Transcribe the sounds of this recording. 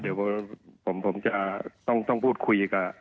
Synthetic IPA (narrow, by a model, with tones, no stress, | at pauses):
di˨˩˦wbɔː˧˩pʰo˩˦mpʰo˩˦mt͡ɕa˧ʔt̪ɔ˥˩ŋt̪ɔ˥˩ŋpʰuː˥˩t̪̚kʰu˧jka˧˩